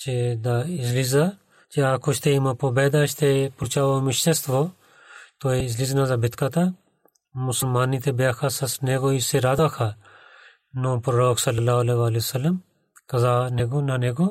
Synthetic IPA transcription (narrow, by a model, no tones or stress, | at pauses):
t͡ʃed̪aːɪzliz̬aː | t͡ʃeaːkot͡ʃʰt̪ʰeimɐpobɛːd̪aːt͡ʃʰt̪ʰepuɾt͡ʃaːʋoːmɪʃt̪est̪ʰʋoː | t̪oːeɪzliːznazaːbʱɪt̪ʰkat̪a | mʊsəlmaːniːt̪ʰebaːkʰaːsɐsneːɡoːiseɾaːd̪aːkʰaː | nõːpɾoɾoːksɐlːɐlːaːɦɐleːʋaːlisɐlːəm | kɐzaːneːɡoːnaːneːɡoː